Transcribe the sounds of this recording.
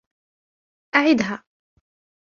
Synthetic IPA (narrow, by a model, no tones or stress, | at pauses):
ʔaʕɪd̪ɦaː